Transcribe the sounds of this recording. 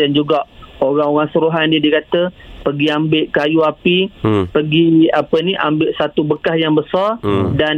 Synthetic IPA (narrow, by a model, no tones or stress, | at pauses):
dand͡ʒuɡaʔoɾaŋoɣaŋsəɾuɦanndiədikat̪əpəɡiambɪʔkajuapipəɡiapəniʔa̰mbɪʔsat̪ubəkahjaŋbəsardan